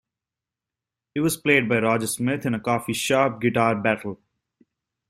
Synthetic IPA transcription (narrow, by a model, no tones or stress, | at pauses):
ɪʋɔzpleːɖ̚baɪɾɔːd͡ʒəɾsmɪt̪ʰɪ̃nəkɔːfiʃaːp̚ɡɪʈaːɾbæʈəl̩